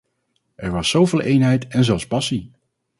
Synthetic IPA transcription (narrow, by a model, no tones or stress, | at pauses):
ʔɛɹʋɑsːowvɪːlˠʔejnɦɛjtɛnzɛlˠspɑsi